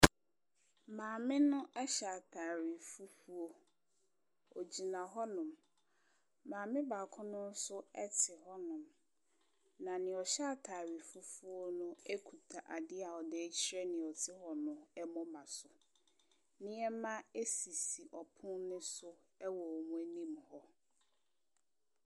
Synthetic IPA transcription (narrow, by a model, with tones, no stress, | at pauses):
mãː˨mɪ̃˦nʊ̃˦ʔɛ˦ɕa˨tʰa˨ɾi˨fu˦fu˦o˦ | o˨d͡ʑi˨nã˨ɦɔ˦nʊ̃˨m | mãː˨mɪ̃˦ba˨kʰʊ̃˦nʊ̃˦n˦sʊ˦ɛ˦tʰɪ˨ɦɔ˦nʊ̃˨m | nã˨nɪ̃˨ɔ˨ɕa˦˨tʰaː˨ɾi˨fu˦fu˦o˦nʊ̃˦e˦kʰu˨tʰa˨ʔa˨dɪ˦a˨ɔ˨dɛ˦t͡ɕʰi˦ɾɛ˦nɪ̃˨ɔ˨tʰɪ˦hɔ˨nʊ̃˨ɛ˦mɔ̃˦mã˨sʊ˨ | nɪ̃˦ɛ˦mã˦e˦si˨si˨ʔɔ˨pʰʊ̃˦nnʊ̃˦sʊ˦ɛ˦wɔ˨mũ˦æ˦nĩ˦mhɔ˦